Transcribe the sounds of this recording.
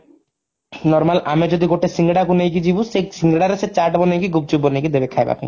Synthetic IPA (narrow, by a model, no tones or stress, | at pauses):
nɔɾmalʔamed͡ʑod̪iɡoʈːesiŋɡɽakunejk̬id͡ʑibusesiŋɡɽaɾeset͡ɕaʈbɔnejkiɡub̚t͡ɕubbonejkid̪ebekʰajba̰pḭ